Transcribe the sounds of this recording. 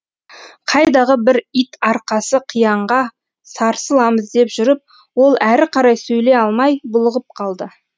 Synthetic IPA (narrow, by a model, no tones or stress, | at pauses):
qʰɑjd̪ɑʁəbɪɾijt̪ɑɾqɑsəqʰijɑɴʁɑ | sɑɾsəlˠɑməzd̪e̞pʒʏɾɪp̚ | wo̞lˠæɾɪqʰɑɾɑjsɵjle̞ɑlˠmɑjbʊlˠəʁəp̚qʰɑlˠd̪ə